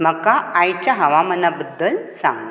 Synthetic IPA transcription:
m̤əkaajt͡ɕaɦəʋamənːabəd̪ːəlsã̰ŋɡ

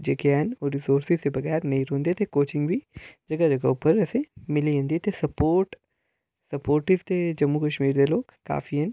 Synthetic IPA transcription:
d͡ʒekeɛnɔːɾɪsoːɾsɪzt̪ebɐɣɛːɾnɐĩɾõːnd̪et̪ekoːt͡ʃɪ̃ŋɡbʱid͡ʒɐɡad͡ʒɐɡaʊpːəɾɛːsemɪliɦə̃nd̪it̪esɐpoːɾʈ | sɐpoːɾʈɪʋt̪ed͡ʒɐmːukɐʃmiːɾd̪eloːɡka̰ːfʰiɛn

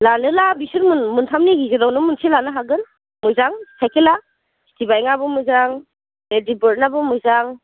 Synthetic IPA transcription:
lalɯlabisuɾmunmuntʰamniɡizedɔwnɯmunsʰilanaɦaɡɯn | muzaŋsitʰajkʰila | si̥tʰibajŋabɯmɯzaŋ | edibɯɾnabɯmɯjzaŋ

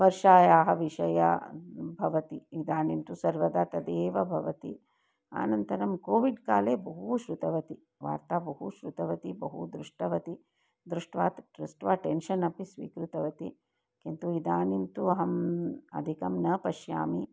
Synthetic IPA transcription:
ʋɐɾʂaːjaːɦɐʋiʃɐjɐ̰bʱɐʋɐt̪iid̪aːnimt̪usɐɾʋɐd̪aːt̪ɐd̪eːʋɐbʱɐʋɐt̪i | a̰ːnɐnt̪ɐɾɐmkoːʋiɖkaːleːbɐɦuʃɾut̪ɐʋɐt̪i | ʋa̰ːɾt̪aːbɐɦuʃɾut̪ɐʋɐt̪ibɐɦud̪ɾuʂʈɐʋɐt̪i | d̪ɾuʂʈʋaːt̪ɾusʈʋaːʈenʃɐnɐpisʋḭːkɾut̪ɐʋɐt̪i | kint̪uid̪aːnimt̪uɐɦɐmɐ̰d̪ʱikɐmnɐpɐʃja̰ːmi

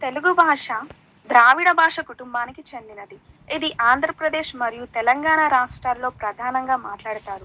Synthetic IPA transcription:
t̪e̞luɡubʱaːʂɐ | d̪ɾaːʋiɽɐbʱaːʂɐkuʈumbaːnikit͡ʃe̞nd̪inɐd̪i | id̪iʔaːnd̪ʱɾɐpɾɐd̪eːʃmɐɾijut̪ɛlɐŋɡaːɳaɾaːʂʈɾaːlːo̞ːpɾɐd̪ʱaːnɐŋɡaːmaːʈlaːɽut̪aːɾu

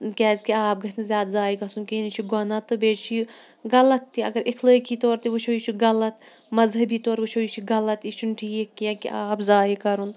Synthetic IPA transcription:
kʲɛːzkiaːp̚ɡɐsnɐzjaːd̪zaːiɡɐsunkinit͡ʃʰiɡɔnɐt̪ɨbeːd͡ʒt͡ʃʰi | ɡɐlɐt̪ːiɐ̰ɡɐɾʔikʰləːkʰit̪oːɾt̪iʋɨʃʰoit͡ʃʰuɡɐlɐt̪ | mɐzɦɐbiːt̪oːɾʋɨʃʰoit͡ʃʰiɡɐlɐt̪it͡ʃʰunʈʰiːekːijɐ̃kiʔaːpzaːikɐɾun

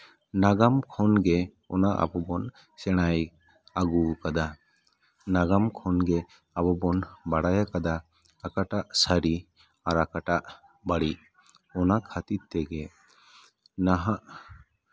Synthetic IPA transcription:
naɡamkʰɔnɡɛ | ɔnaʔa̰bɔbɔn | sɛɽ̃aj | aɡukad̪a | naɡamkʰɔnɡɛ | abɔbɔnbaɽajakad̪aː | kaʈaʔsaɾi | aɾakaʈaʔ | baɽiʔ | ɔnakʰat̪it̪ɛɡɛ | naɦaʔ

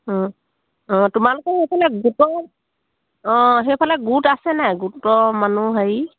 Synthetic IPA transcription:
ɔ̃ | ɔ̃tʊmalʊkɛhejpʰalɛɡutɔ | ɔ̃ɦejpʰalɛɡutasɛnajɡutɔmanuɦaji

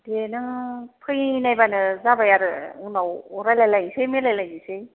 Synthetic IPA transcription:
denɯpʰɯjnajbanɯzabajaɾɯunawɔɾajlajlajisemelajlajise

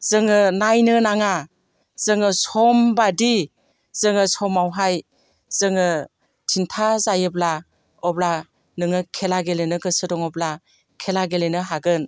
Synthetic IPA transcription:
z̥ɯŋɯnajnɯnaŋa | z̥ɯŋɯsɔmbadi | z̥ɯŋɯsɔmawɦaj | z̥ɯŋɯ | tʰintʰazajɯbla | ɔbla | nɯŋɯkʰelaɡelenɯɡɯsɯdɔŋɔbla | kʰelaɡelenɯɦaɡɯn

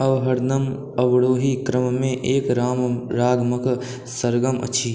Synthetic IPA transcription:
ɐʋɦɐɽnəm | ɐʋɽoːɦikɾəmmẽʔeːkɾaːmɾaːɡmək | səɾɡəmə̰tːʃʰiː

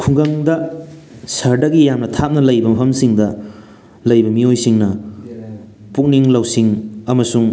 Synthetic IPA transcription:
kʰuŋɡɐŋdɐ | sɐɾdɐɡijamnɐtʰap̚nɐlɐjbɐmɐpʰɐmsiŋdɐ | lɐjbɐmiojsiŋnɐ | puk̚niŋlɐwsiŋɐmɐsuŋ

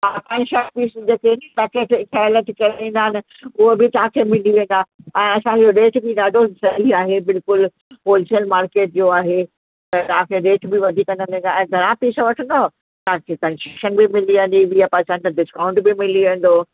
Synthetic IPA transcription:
aːkɐ̃ʃɐk̚piːsd͡ʑeːkeʈ̪akeːʈɪkʰaləʈ̪ikɐaʋĩːn̆d̪aːɦɪnɪ̆ | ʊɦobɪt̪ɐɦãkʰemɪliʋẽːn̆d̪aːɛ̃ːɐsãɦioɾeːʈbɪɗaːɖʱosɐɦiaːɦebɪlkʊl | polɪsijəlmaːɾkeːʈ̚d͡ʑoaːɦe | ɛ̃t̪aãkʰeɾeːʈbɪʋɐd̪ʱikːɐ̃nd̪ə̃nĩːnd̪aɛ̃ːɡʱɐɾãpiːsə̃ʋɐʈʰə̃nd̪a | t̪ɐãkʰekɐ̃nʃʃənbɪmɪliʋẽːnd̪ibijapãːsãɪ̃nt̪aɖɪskaːʊ̃ɳʈbɪmɪliʋẽːn̆d̪oː

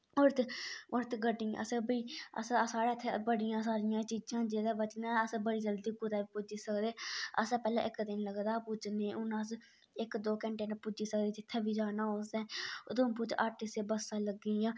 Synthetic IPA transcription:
ʊɾt̪ʊɾt̪ɡəɖiːã̰ə̰sbiːə̰ssaːɾaːt̪ʰːebəɽɪjãːsaːɾɪjãːt͡ʃiːd͡ʒãːd͡ʒeːd̪aːbət͡ʃnãːəsbəɽiːd͡ʒəld̪iːkʊɾaːbiːpʊd͡ʒiːsəkd̪eːə̰sãːpɛːla̰ːʔɪkd̪ɪnləɡd̪aːpʊd͡ʒnẽːʔʊnas̬ | ɪkd̪oːkəɳʈeːnãːpʊd͡ʒiːsəkd̪eːd͡ʒɪt̪ʰːeːbiːd͡ʒaːnaːoːsd̪eːt̪ːpʊt͡ʃʔəʈɪseːbəsãːləɡiːãː

